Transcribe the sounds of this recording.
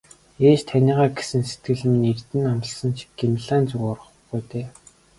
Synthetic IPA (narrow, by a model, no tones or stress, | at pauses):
eːt͡ɕt̪ʰænʲiːʁaːɡesɘ̆nset̪̚ɡɘ̆ɮ̆minert̪ɘ̆namt̪ə̆ɮsɞ̆nt͡ɕʰi̥kɡimɮaːnt͡sɵɣɔɾə̆χɢujt̪eː